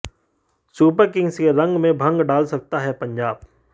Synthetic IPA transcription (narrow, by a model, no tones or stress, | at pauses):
suːpəɾkɪ̃ŋɡskeɾɐ̃ŋɡmẽbʱɐ̃ŋɡɖaːlsɐk̚t̪aɦɛpɐ̃ɲd͡ʒaːb